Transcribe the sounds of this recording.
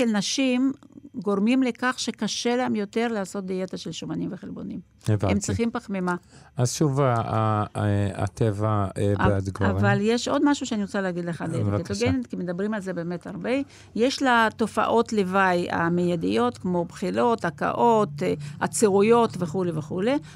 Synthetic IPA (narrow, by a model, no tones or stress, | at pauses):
ʃelnaʃimɡo̞ʁmimle̞kaχʃe̞kaʃelaemjo̞te̞ʁlaaːso̞t̪̚d̪ijet̪aʃelʃomanimveχelbo̞nim | evaemt͡sʁiχimpaχmema | azʃuvaa | a̰t̪ʰevaad̪kavaljeʃʔo̞d̪maʃuʃeaniʁot͡saleːɡid̪leχadeket̪oɡenit̪kimed̪abʁimalzebe̞ːme̞taʁbe | jeʃlat̪o̞fa̰ʔo̞tle̞vaja̰mejadijo̞t̪kmo̞pχilo̞taka̰ʔo̞t̪at͡seʁujo̞tveχuleveχule